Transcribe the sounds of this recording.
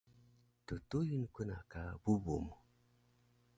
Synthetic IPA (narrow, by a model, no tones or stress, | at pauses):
tutujinkuna̰kabubṵm